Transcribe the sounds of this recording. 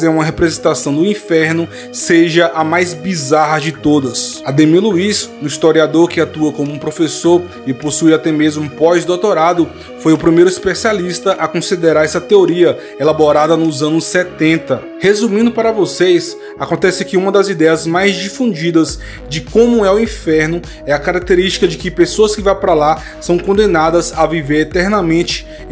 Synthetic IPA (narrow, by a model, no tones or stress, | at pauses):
zɛũmɐɦepɾezẽt̪asɐ̃w̃d̪ʊĩfɛɾnʊ | seʒɐʔɐmajzbizaɦɐd͡ʒɪt̪od̪ɐsɐd̪ẽmiluiznʊist̪oɾiad̪oɾkɪat̪uɐkõmʊũpɾofesoɾ | ɪposuiat̪ɛmezmʊpɔjzd̪owt̪oɾad̪ʊ | fojʊpɾimejɾʊispesialist̪ɐʔɐkõsid̪eɾaɾɛsɐt̪eoɾiɐ | elaboɾad̪ɐnʊzɐ̃nʊsːɛt̪ẽnt̪ɐ | hezũmĩnd̪ʊpaɾɐvosejs | akõnt̪ɛsɪkɪũmɐd̪ɐzid̪ɛjɐzmajzd͡ʒifũd͡ʒid̪ɐz | d͡ʒɪkõmʊɛʊĩfɛɾnʊ | ɛɐkaɾak̚t̪eɾist͡ʃi̥kɐd͡ʒɪkɪpesoɐskɪvajpɾala | sɐ̃w̃kõnd̪ẽnad̪ɐzɐviveɾet̪ɛɾnɐmẽnt͡ʃɪ̥